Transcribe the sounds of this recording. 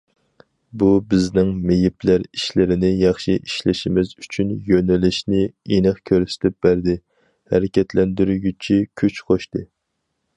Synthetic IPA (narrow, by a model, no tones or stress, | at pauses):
bubɪznɪŋmejipʰlæɾiʃlɪɾɪnɪjɑχʃiʔiʃlɪʃimɪzyt͡ʃʰynjønɛlɪʃnɪenɨχkʲʰøɾsɪ̥t̪ʰɪp̚bæɾd̪ɪ | hæ̰ɾɪkʲɛt̪ʰlɛnd̪yɾyɡʲyt͡ʃʰikʲʰyt͡ʃqʰoʃt̪ɨ